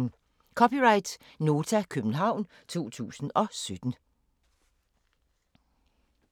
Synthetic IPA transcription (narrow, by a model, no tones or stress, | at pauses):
kʰɒ̽piʁɑ̈ɪd̥no̝ːt͡sʰækʰøb̥n̩ɦɑ̈ʊ̰n | t͡sʰo̝̰ːt͡sʰṵːsn̩ɒ̽sød̥n̩